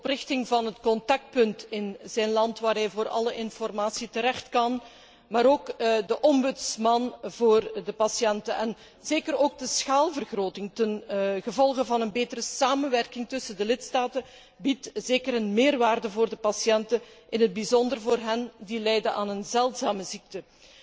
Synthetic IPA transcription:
ɔprɪxtɪŋvɑnɦətkɔntɑk̚t̚pɵntɪnzɛjnlɑntʋaːrɦɛjvoːrɑ̰ləʔɪnfɔrmaːsitəɾɛxtkɑn | maːɾoːkdəʔɔmbɵtsmɑnvoːrdəpɑsjɛntəʔɛn | zeːkəɾoːɡ̚dəsxaːlˠvərɣroːtɪŋtənɣəvɔlˠɣəvɑnənbeːtəɾəsaːmənʋɛrkɪŋtɵsəndəlɪtstaːtə | bitz̥eːkərənmeːrʋaːrdəvoːrdəpɑsjɛntəʔɪnɦəd̚bizɔndərvoːrɦɛndilɛjdənaːnənzɛlˠtzaːməzik̚tə

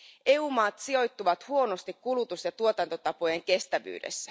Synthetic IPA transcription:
e̞uːmɑːt̪sio̞jt̪ːuʋɑt̪huo̞no̞st̪ikkulut̪usjɑt̪uot̪ɑnt̪o̞t̪ɑpo̞jeŋk̟e̞st̪æʋy̰ːde̞̰sːæ

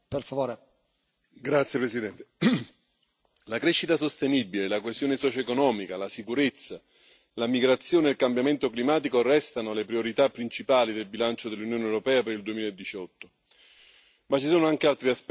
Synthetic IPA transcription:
perfavoːɾe | ɡɾat̪sjepɾesid̪ɛnt̪e | lakɾeʃːit̪asost̪enibilelakwezjoːnesɔt͡ʃoekonɔːmikalasikuɾet̪sːa | lamiɡɾat̪sːjoːneːlkambjament̪oklimaːt̪̬ikoarːɛst̪anolepɾioɾit̪apːɾint͡ʃipaːlid̪elbilant͡ʃod̪elːunjoːnewɾopɛːapeɾild̪uemilaed̪ːit͡ʃɔt̪ːo̥ | mat͡ʃːisoːnoaŋk̟ealt̪ɾiasp

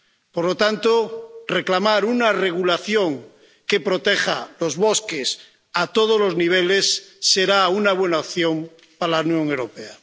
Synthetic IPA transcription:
poɾlot̪ant̪oreklamaɾunare̞ɣ̞ulaθjoŋ | ke̞pɾot̪eχa̰lo̞zβoskes | at̪oð̞olo̞zniβ̞elesːeɾaunaβ̞we̞naopθjom | paɾalaunjõ̞ŋewɾopea

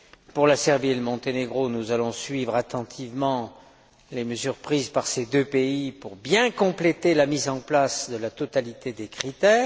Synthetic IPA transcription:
puʁlasɛʁbieləmɔ̃t̪eneɡʁonuzalɔ̃sɥivʁat̪ɑ̃t̪ʰivmɑ̃ | leməzyʁpχizpaʁsed̪øpeipuʁbjɛ̃kɔ̃plet̪elamizɑ̃plasd̪əlat̪ɔt̪alit̪ed̪ekχit̪ɛː

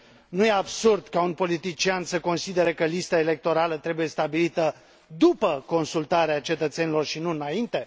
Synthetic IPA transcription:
nuje̞absurd̪kaunpo̞lit̪it͡ʃiansəko̞nsid̪e̞ɾekəlist̪aele̞k̚t̪o̞ɾalət̪ɾe̞buje̞st̪abilit̪ə | d̪upəko̞nsult̪aɾeat͡ʃe̞t̪ət̪se̞nilo̞rʃinuɨnaint̪e̞

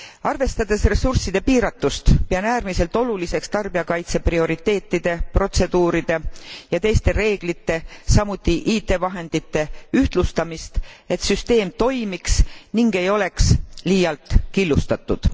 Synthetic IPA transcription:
ɑrve̞st̪ɑd̪̥e̞sre̞sursid̪epiːɾɑt̪ːust̪peɑnæːrmise̞lt̪ˑo̞lulise̞kst̪ɑrb̥iɑkɑjt̪se̞prio̞ɾit̪ːe̞ːt̪ːˑid̪̥e̞pro̞t̪se̞d̪̥uːɾid̪̥e̞jɑt̪e̞jst̪e̞re̞ːɡ̥lit̪ːe̞sɑmut̪ːiʔiːt̪ːˑe̞vɑɦe̞nd̪̥it̪ːe̞yht̪lust̪ɑmist̪e̞t̪syst̪e̞ːmt̪o̞jmiksniŋɡe̞jo̞le̞ksliːjɑlt̪ˑkilːust̪ɑt̪ːˑud̪̥

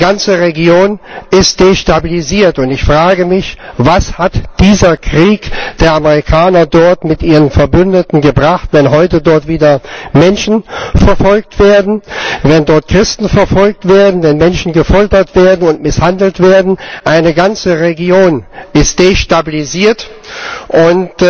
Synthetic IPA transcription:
ɡant͡səʁeɡjoːnʔɪstd̥eːʃtabiliziːɐtʊntɪçfʁ̥aːɡəmɪçvashatd̥iːzɐkʁ̥iːkd̥eːɐʔaməʁikʰaːnɐdɔɐtmɪtʔiːʁənfɛɐbʏndətn̩ɡəbʁaχtv̥ɛnɦɔʏtədɔɐtv̥iːdɐmɛnʃn̩fɛɐfɔlk̚tv̥eːɐdn̩vɛndɔɐt̚kʁ̥ɪstn̩fɛɐfɔlk̚tv̥eːɐdn̩vɛnmɛnʃn̩ɡəfɔltɐtv̥eːɐdn̩ʊntmɪshandl̩tv̥eːɐdn̩ʔaɪnəɡant͡səʁeɡjoːnɪstd̥eːʃtabiliziːɐtʔʊnt

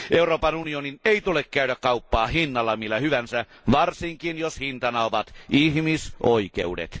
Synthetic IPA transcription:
ʔeuroːpɑnunionineit̪ulekkæyɾækkɑupːɑːhinːɑlːɑmilːæhyʋænsæ | ʋɑrsiŋkinjoshint̪ɑnɑoʋɑt̪ihmisoikḛudḛt̪

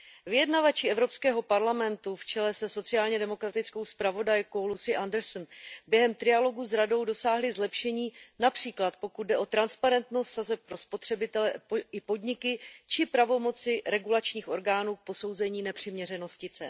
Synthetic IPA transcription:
vɪjɛdnavat͡ʃɪɛvɾo̞pskɛːɦo̞paɾlamɛnt̪uft͡ʃɛlɛsɛso̞t͡sɪaːlɲɛdɛmo̞kɾat̪ɪt͡skowspɾavo̞dajkowlusɪʔandɛɾsnbjɛɦɛmt̪ɾɪjalo̞ɡuzɾado̞wdo̞saːɦlɪzlɛpʃɛɲiːnapr̥iːklat̪po̞kud̪̚dɛʔo̞t̪ɾanspaɾɛnt̪no̞st̪sazɛp̚pːɾo̞spo̞t̪r̝̥ɛbɪt̪ɛlɛɪpo̞dɲɪkɪt͡ʃɪpɾavo̞mo̞t͡sɪɾɛɡulat͡ʃɲiːxʔo̞ɾɡaːnuːk̚po̞so̞wzɛɲiːnɛpr̝̥ɪmɲɛr̝ɛno̞scɪt͡sɛ

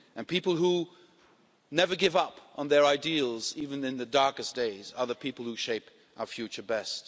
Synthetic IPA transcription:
ɨ̃npipl̩ˠhu | nɛvə˞ɡɪvʌpʔn̩ðə˞aɪdilˠzivɨ̃nɨ̃nðɨdɑɹkɨsd̥eɪzə˞ðəpʰipl̩ˠhuʃeɪp | ʔaʊə˞fjʉt͡ʃə˞bɛst

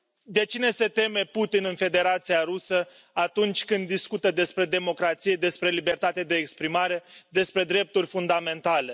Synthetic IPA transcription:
d̪e̞t͡ʃine̞se̞t̪e̞me̞put̪inɨnfe̞d̪e̞ɾat̪sijaɾusə | at̪unt͡ʃʲkɨnd̪ːiskut̪əd̪e̞spɾe̞d̪e̞mo̞kɾat̪sije̞d̪e̞spɾe̞libe̞rt̪at̪ed̪e̞ːkspɾimaɾe̞d̪e̞spɾe̞d̪ɾe̞p̚t̪urʲfund̪ame̞nt̪ale̞

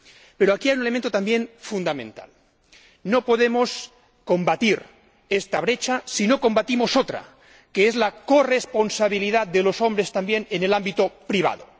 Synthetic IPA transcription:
pe̞ɾoakiajunelement̪ot̪ambje̞nfund̪amẽ̞nt̪a̰l | no̞po̞ðe̞mo̞s | ko̞mbat̪iɾ | e̞st̪aβ̞ɾe̞t͡ʃasino̞ko̞mbat̪imo̞so̞t̪ɾa̰ | ke̞ezlako̞re̞spo̞nsaβ̞ilið̞at̪d̪e̞lo̞so̞mbɾest̪ambje̞nene̞lambit̪opɾiβ̞a̰ð̞o̰

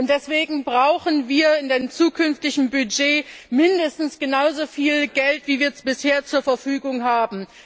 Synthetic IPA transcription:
ʔʊnt̚d̥ɛsv̥eːɡŋ̩bʁaʊxən̩viːɐɪndaɪnəmt͡suːkʰʏnftɪçn̩byd͡ʒeːmɪndəstn̩sɡ̥ənaʊzoːfiːlɡ̥ɛltv̥iːviːɐb̥ɪsheːɐt͡suːɐfɛɐfyːɡʊŋɦaːbm̩

